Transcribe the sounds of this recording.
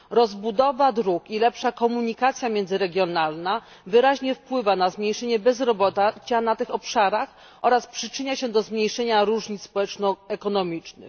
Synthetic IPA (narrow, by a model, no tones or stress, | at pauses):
ɾɔzbud̪ɔvad̪ɾukilɛpʂakɔmuɲikat̪sʲjamʲjɛnd̪zɘɾɛɡʲjɔnalna | vɘɾaʑɲɛfpwɘvanazmɲejʂɛɲɛbɛzɾɔbɔt̪at͡ɕanat̪ɘxɔpʂaɾax | ʔɔɾaspʂɘt͡ʂɘɲaɕɛd̪ɔzmɲejʂɛɲaɾuʐɲit̪sspɔwɛt͡ʂnɔɛkɔnɔmʲit͡ʂnɘ̰x